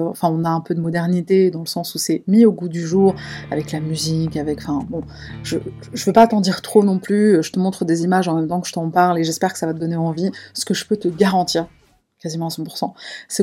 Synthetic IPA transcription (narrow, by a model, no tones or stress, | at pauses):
ɑ̰̃fɛ̃ɔ̃naɛ̃pød̪əmɔd̪ɛʁnit̪ed̪ɑ̃ləsɑ̃susɛmioɡud̪yʒuːʁavɛklamyzikavɛkɑ̃fɛ̃bɔ̃ | ʒə | ʒəvøpat̪ɑ̃d̪iʁt̪χonɔ̃plyʒət̪əmɔ̃t̪χəd̪ezimaʒɑ̃mɛmt̪ɑ̃kəʒət̪ɑ̃paʁleʒɛspɛʁkə̥savat̪əd̪ɔneɑ̃visə̥kəʒəpøt̪əɡaʁɑ̃t̪iːʁ | kazimɑ̃asɑ̃puʁsɑ̃sɛ